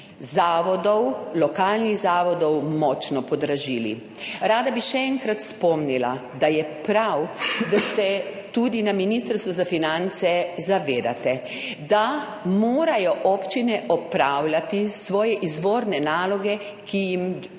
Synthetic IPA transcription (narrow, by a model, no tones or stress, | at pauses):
zaːʋɔd̪ɔwlɔkaːlniɣzaːʋɔd̪ɔwmɔt͡ʃnɔpɔd̪ɾaʒiːlḭ | ɾaːd̪abiʃɛɛŋkɾat̪spɔmnila̰d̪ajɛpɾawd̪asɛt̪ud̪inaminist̪əɾst̪ʋuzafinant̪sɛzaʋeːd̪a̰t̪ɛ | d̪a | moːɾajɔʔɔpt͡ʃinɛʔɔpɾawlʲat̪isʋɔːjɛʔizʋoːɾnɛnaːlɔɡɛ | kijim